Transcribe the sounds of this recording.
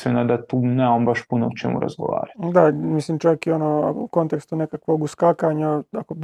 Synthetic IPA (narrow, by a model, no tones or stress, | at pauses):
senad̪at̪uːneombaʃpunoot͡ʃḛmṵɾa̰zɡo̰ʋa̰ːɾad̪amislimt͡ʃajekionoa̰kuko̞nt̪e̞kst̪unekakʋoɡuskakaɲaako